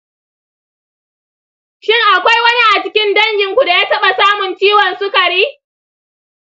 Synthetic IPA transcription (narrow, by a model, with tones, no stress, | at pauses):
ʃɪ˦˨ŋʔa˨kʷa˦jwɐ˦ni˦ʔa˨t͡ʃɪ˦kʲɪ˦ndɐ˦ŋɡʲɪ˨ŋkʷu˨da˨jaː˦tɐ˦ɓa˨saː˦mʊ˨nt͡ʃiː˦wɔ˨nsʊ˦kɐ˨ɽiː˦